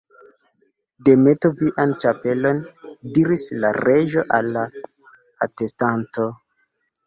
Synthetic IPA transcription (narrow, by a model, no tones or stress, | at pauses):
de̞me̞toviʔant͡ʃape̞lo̞ndiɾisla̰ɾe̞ʒo̞ʔalːaː | te̞stanto̞